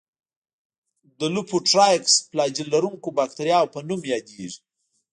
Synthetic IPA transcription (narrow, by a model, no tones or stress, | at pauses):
d̪əlupʰoʈɾajksplɑd͡ʒilːaɾuŋkobɑk̚t̪aɾjɑwpənumjɑd̪eʐi̥